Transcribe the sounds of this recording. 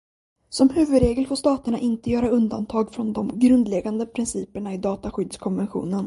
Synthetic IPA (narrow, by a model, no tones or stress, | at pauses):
sɔmhʉ̟ːvɵd̪ɾeːɡəlfoːʂt̪ɑːt̪əɳaʔɪnt̪əjœːɾaɵnd̪ant̪ʰɑːɡfɾɔnd̪ɔmɡɾɵnd̪lɛɡand̪əpʰɾɪnsiːpəɳaɪd̪ɑːt̪aɧʏd̪skʰɔnvɛnɧṵːnən